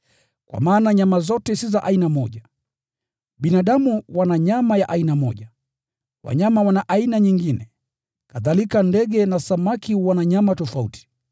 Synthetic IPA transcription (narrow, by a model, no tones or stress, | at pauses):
kwa̰maːnaɲamazɔtɛsizaʔainamɔʄa | ɓinaɗamuwanaɲamajaʔainamɔ̰ʄa | wa̰ɲamawanaʔainaɲiŋɡinɛ | kaðalikandɛɡɛnasamakiwanaɲamatɔfaṵti̥